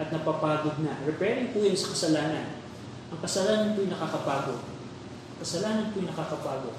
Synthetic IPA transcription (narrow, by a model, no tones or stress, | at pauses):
ʔɐt̪̚nɐpaːpaːɡoɡ̚nɐɾɛpɛɾɪŋpujʊnsɐkɐsɐlaːnɐn | ʔɐŋkɐsɐlaːnɐnpʊjnɐkaːkɐpaːɡo̞̰ | ŋkɐsɐlaːnɐnpʊjnɐkaːkɐpaːɡo̞̰